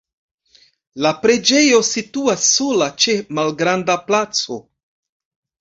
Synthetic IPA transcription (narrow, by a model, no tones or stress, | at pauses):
lapɾe̞d͡ʒe̞jo̞situasːo̞lat͡ʃe̞malɡɾandaplat͡so̞̰